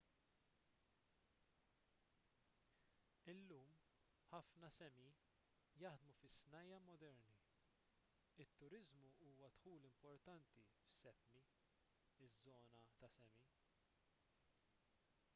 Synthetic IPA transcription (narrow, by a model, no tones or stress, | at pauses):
ɪlːuːm | ħɐfnɐsɛmi | jɐħd̪mufɪsnɐjːɐmɔd̪ɛɾni | ɪt̪ːʊɾɪzmuuːwɐt̪ħuːlɪmpɔɾt̪ɐnt̪ifsɛpmi | ɪzːɔːnɐt̪ɐsɛmi